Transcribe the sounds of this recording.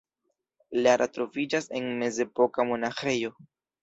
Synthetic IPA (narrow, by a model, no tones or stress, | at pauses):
laɾatɾo̞vid͡ʒase̞nme̞ze̞po̞kamo̞naxe̞jo̞